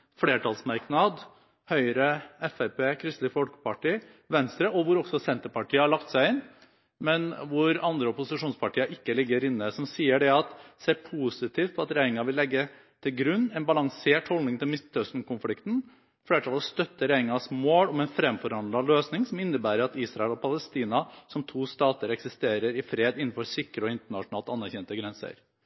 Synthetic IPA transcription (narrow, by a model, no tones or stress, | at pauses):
fleːʈɑlsmɑɾknɑd̪ | hœʏɾəɛfæpeːkʰɾɪst̪lɪfɔlkə̥pʰɑʈiː | ʋɛnst̪ɾəʔɔʋʊɾɔksɔsɛnt̪əɾpɑʈʰiːəhɑɭɑkt̪sæɪɪn | mɛnʋʊɾɑnd̪ɾəɔpʊsɪʂuːnspɑʈʰiːəɾʔɪkːəlɪɡːəɾɪnːəsɔmsiːəɖɛɑt̪seːɾpʰusɪt̪ʰiːft̪̚pʰɔɑt̪ɾæɪnɪŋɑʋɪlːɛɡːə | t̪ʰɪlɡɾʉnːɛnbɑlɑŋseːʈhɔlnɪŋt̪ʰɪlmɪst̪ʰœst̪nkʊnflɪkt̪n̩ | fleːʈʰɑːlɔst̪œt̪ːəɾæɪɪŋɑsmoːlɔmɛɪnfɾɛmfɔɾɑnd̪lɑløːsnɪŋsɔmɪnːəbæːɾəɾɑt̪iːsɾɑɛlɔpʰɑləst̪iːnɑsɔmt̪ʰuːst̪ɑːt̪əɾɛksɪst̪eːɾəɾɪfɾeːd̪ɪnːn̩fɔɾsɪkːɾəɔɪnt̪əɳɑʂʊnɑːlt̪ɑnːæɾçɛnt̪əɡɾɛnsə̰ɾ